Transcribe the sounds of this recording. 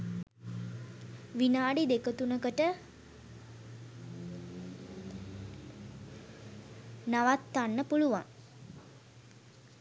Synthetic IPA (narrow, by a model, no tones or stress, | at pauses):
ʋinaːɖid̪ekət̪unəkəʈə | naʋat̪ːanːəpuluʋa̰ŋ